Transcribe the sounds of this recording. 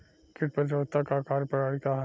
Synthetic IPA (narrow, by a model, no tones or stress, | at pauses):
kɪʈ̚pəd̪ɾoːt̪akakaːɾpɐɽaːɽikaɦ